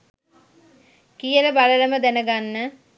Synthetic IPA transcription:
kijələbaləɾəməd̪ænəɡanːə

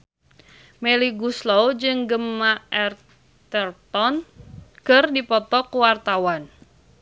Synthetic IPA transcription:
mɛliɡuslowd͡ʒɨŋɡəmːaʔɛr | t̪ərt̪ɔnkɨrdipɔt̪ɔkuwart̪awan

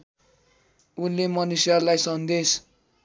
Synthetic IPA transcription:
unːemʌnusjarlajsʌnd̪es

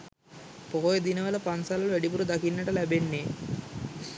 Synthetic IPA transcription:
poɦojed̪inɐʋɐlɐpɐnsalɐluʋeɖip̬uɾud̪ɐkinːɐʈɐlɛbenːe

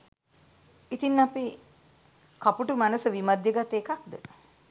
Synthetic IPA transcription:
it̪inːapi | kapuʈumænəsəʋimad̪jəɡat̪eːkak̚d̪ə̰

